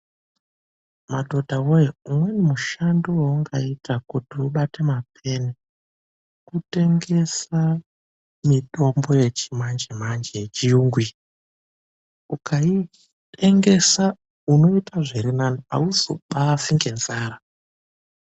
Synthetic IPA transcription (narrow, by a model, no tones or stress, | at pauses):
madʱo̞dʱawojeumwe̞nemuʃanduwauŋɡaitakutiuɓatemapʰe̞ne | kute̞ŋɡe̞sa | mito̞mbo̞je̞t͡ʃimand͡ʒemand͡ʒet͡ʃiuŋɡwi | ukai | teŋɡe̞sa | uno̞itʰaʐiɾinanoa̰uzo̰ɓafiŋɡe̞nzaːɾa